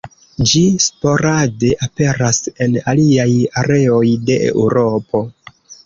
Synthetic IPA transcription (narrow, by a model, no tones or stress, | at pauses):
d͡ʒispo̞ɾade̞ʔape̞ɾase̞naliajaɾe̞o̞jde̞ʔḛuɾo̞po̞